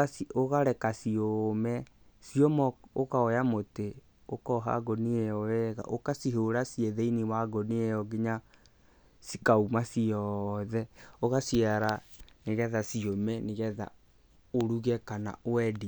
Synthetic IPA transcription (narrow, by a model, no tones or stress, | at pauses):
soɣaɾɛkasiomɛ | siomɔokaɔjamote | okɔɦa̰ɡɔnieɔwɛɣa̰ʔokasiɦoɾasiɛðeiniwaɡɔniɛjɔɡeɲa | sikaumasiɔðɛoɣasiaɾaneɣɛðasiomɛneɣɛða̰ | oɾuɣɛkana̰oɛdi